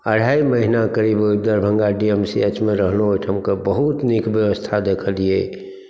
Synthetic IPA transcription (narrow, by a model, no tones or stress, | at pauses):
əɽ̤ʱaːiməɦɪnakəɾiːboib̚d̪əɾbʱə̃ŋɡaɖiemsiet͡ʃmẽɾəɦlooʈʰɦəmkəbəɦut̪nikbjəʋəst̪ʰad̪eːkʰəlieː